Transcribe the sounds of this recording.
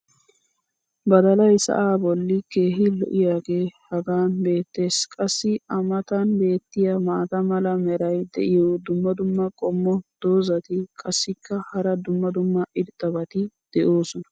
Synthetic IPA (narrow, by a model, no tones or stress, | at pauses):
bɐd̪ɐlɐjsɐ̰ʔaːbɔlːɪke̞ːɦɪlɔ̰ʔɪjaːɡe̞ːhɐɡaːnbe̞ːt̪ːe̞ːskʼɐsːɪɐmɐt̪ɐnbe̞ːt̪ːɪjamaːt̪ɐmɐlɐmɛɾɐjd̪ɛ̰ʔɪjoːd̪ʊmːɐd̪ʊmːɐkʼɔmːɔd̪̥o̞ːzɐt̪ɪkʼɐsːɪkːɐhɐɾɐd̪ʊmːɐd̪ʊmːɐʔɪɾt̪ʼːɐbɐt̪ɪd̪̥ɛʔo̞ːsɔnɐ̥